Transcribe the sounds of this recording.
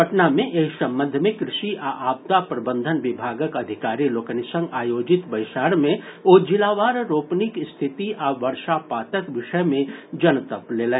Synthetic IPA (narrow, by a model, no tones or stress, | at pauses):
ɐʈnamẽʔeːsɐ̃mbə̃nd̪ʱmẽkɾɪʃiʔaʔaːb̚t̪apɾɐbə̃nd̪ʱənʋɪbʱaːɡəkɐd̪ʱɪkaːɾiloːkənɪsə̃ŋɡaːjoːd͡ʒɪt̪bɐjʃaːɾmẽoːd͡ʒɪlaːʋaːɾɾoːpnɪkst̪ʰɪt̪iʔaʋɐɾʃapaːt̪əkʋɪʃəmẽd͡ʒɐnt̪əpleːle